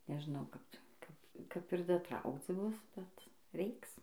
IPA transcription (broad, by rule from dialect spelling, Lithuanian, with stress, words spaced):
nʲɛʒˈnɐʊ ˈkɐp ˈkɐp kɐp ɪr dɐˈtrɐʊkt͡s ˈbʊs bʲɛt ˈrʲɛɪks